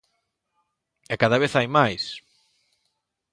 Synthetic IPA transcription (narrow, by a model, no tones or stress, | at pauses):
ɛkaðaβeθajmajs